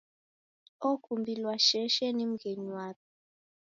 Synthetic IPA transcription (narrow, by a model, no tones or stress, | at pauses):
ɔkʰumbʱilwaʃɛʃɛnim̩ɡeɲwakʰɛ̥